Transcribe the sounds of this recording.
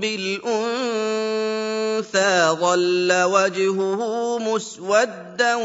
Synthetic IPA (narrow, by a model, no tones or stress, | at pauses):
bɪlʔʊn | θaːðˤɑlːawad͡ʒhʊhʊmʊswad̪ːa